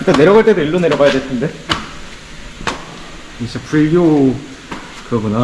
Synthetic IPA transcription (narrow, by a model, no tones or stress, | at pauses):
kɯk͈ane̞ɾjʌɡaɭt͈e̞d̪oiɭːone̞ɾjʌɡajadwetʰːɯnde̞ | isʰʌpʰuʎːo | kɯɾʌɡʌna